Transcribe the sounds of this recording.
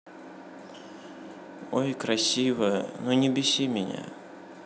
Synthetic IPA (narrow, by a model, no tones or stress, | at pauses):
ojkɾɐsʲivəjənonʲɪbʲɪsʲimʲɪnʲa̰